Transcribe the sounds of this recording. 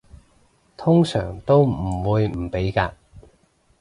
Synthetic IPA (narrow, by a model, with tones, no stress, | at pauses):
t̪ʰʊ˥ŋsœː˨˩ŋt̪o˥wm̩˨˩wuː˨˧jm̩˨˩pe˨˥jkaː˧